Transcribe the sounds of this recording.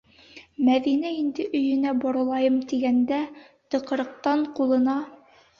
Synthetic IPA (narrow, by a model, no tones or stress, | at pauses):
mæðinæind̪ɘʔɵ̆jɵ̆næbɒɾɤ̆lˠɑjɤmt̪iɡænd̪æ | t̪ɤ̆qɤ̆ɾɤ̆q̚t̪ɑɴqulˠɤ̆nɑ